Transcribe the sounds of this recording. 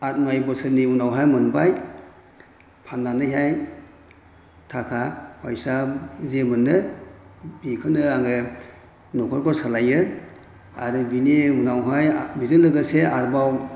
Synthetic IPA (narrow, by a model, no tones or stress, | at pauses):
at̚majbɔsɯniunawɦajmɯnbaj | pʰanːanɯɦaj | tʰakʰapʰajsazemɯnːɯ | bikʰɯnɯaŋɯ | nɔkʰɔɾkʰɔɾsalajɯ | a̰ɾɯbiniunawɦajmizɯlɯɡɯseaɾbaw